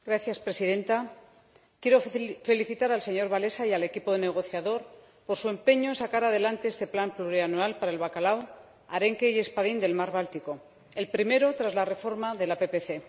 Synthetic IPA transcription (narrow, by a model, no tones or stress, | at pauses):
ɡɾaθjaspɾe̞siðe̞nt̪a | kjeɾofe̞liθit̪aɾalse̞ɲo̞ɾβale̞saijale̞kipo̞ðene̞ɣ̞o̞θjaðo̞ɾ | po̞ɾsue̞mpe̞ɲo̞ensakaɾað̞e̞lant̪e̞est̪eplampluɾianualpaɾae̞lβakalaw | aɾe̞ŋke̞je̞spaðind̪e̞lmaɾβ̞alt̪iko̞ | e̞lpɾime̞ɾo̞t̪ɾazlare̞fo̞ɾmaðe̞lape̞pe̞θe̞